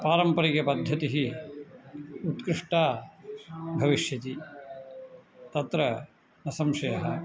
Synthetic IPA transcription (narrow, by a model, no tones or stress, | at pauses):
paːɾɐmpɐɾikjɐpɐd̪ʱːɐt̪iɦi | ut̪kɾɪʂʈaː | bʱɐʋiʃjɐt̪i | t̪ɐt̪ɾɐ | nɐsɐmʃɐjɐɦɐ